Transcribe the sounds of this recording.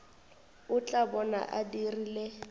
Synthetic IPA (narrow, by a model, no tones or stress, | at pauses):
ʊt͡ɬʼabɔna̰ʔadirile